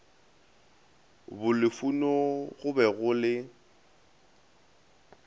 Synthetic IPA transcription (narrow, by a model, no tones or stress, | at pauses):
bʊlɪfunɔɣʊbɛɣʊlɪ